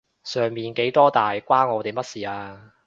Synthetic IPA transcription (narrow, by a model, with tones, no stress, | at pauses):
sœː˨˩ŋmiː˨nke˨˥jt̪ɔː˥t̪aː˨jkʷaː˥nŋɔː˨˧t̪e˨jmɐ˥t̚siː˨aː˧